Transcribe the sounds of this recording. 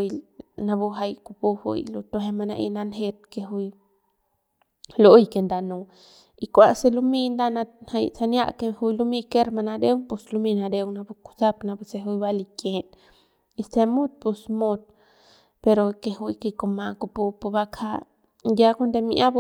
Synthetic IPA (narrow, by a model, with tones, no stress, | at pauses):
jna˧bu˧ɦa˧jku˧pu˧hṵ˧jlu˧t̪o˧ɦe˧ma˧na̰˧ʔḭ˧na˧nɦe˧t̪̚ke˧ɦu˧j | lo˦jke˧nd̪a˧nu˧ | i˧kʷa˧se˧lu˧mi˧nd̪a˦na˧ha˧jsa˧nja̰˦ʔke˧hu˧jlu˧mi˧ke˦ɾma˧na˧d̪e˦wpu˧slu˧mi˧na˧d̪e˧wna˧bu˧ku̥sa˦pna˧bu˧se˧ɦu˧jba˦li˧ke˨n | i˧st̪e˧mu˦t̪̚pu˧smu˧t̪̚ | pe˧ɾo˧ke˧hu˧jke˧ko˧ma˧ku˧pu˧pu˧ba˧kʰa˧ | ja˦ko˦nd̪e˧mi˧ʔa˦b